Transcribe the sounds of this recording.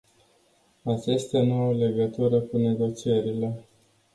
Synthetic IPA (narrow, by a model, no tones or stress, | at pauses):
at͡ʃest̪anuawle̞ɡət̪uɾəkune̞ɡo̞t͡ʃieɾile̞